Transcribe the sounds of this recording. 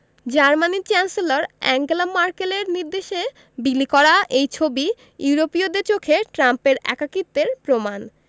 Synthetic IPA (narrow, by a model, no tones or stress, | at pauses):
d͡ʑaɾmanit͡ɕɛnselaɾɛ̰ŋɡlamaɾkeleɾniɾd̪eʃe | bilikɔɾaʔejt͡ɕʰobi | juɾopiod̪eɾt͡ɕokʰeʈɾampeɾɛ̰kakit̪ːeɾpɾoman